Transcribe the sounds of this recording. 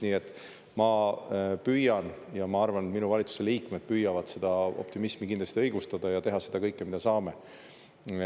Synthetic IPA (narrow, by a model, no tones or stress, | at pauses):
niːe̞t̪ːˑ | mɑ | pyjɑnjɑmɑɑrvɑnet̪minuvɑlʲit̪su̥se̞liːkme̞d̪̥̚pyːjɑvɑd̪̥se̞d̪̥ɑo̰p̚t̪imismikind̪l̥ɑst̪iɤjɡ̥ust̪ɑd̪̥ɑjɑt̪e̞ɦɑse̞d̪̥ɑkɤjkːˑemid̪ɑsɑːme̞